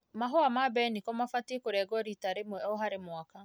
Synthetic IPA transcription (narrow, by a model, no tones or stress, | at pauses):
maɦɔamabɛnikɔmafatekoɾɛɡɔɾitaɾemwɛɔɦaɾemwaka